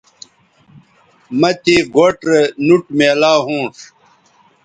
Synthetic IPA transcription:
mɐt̪iːɡoʈɾenuʈmeːlaːɦũːʂ

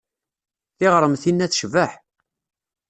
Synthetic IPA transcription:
θɪʁɾˤəmθinːæθʃvəħ

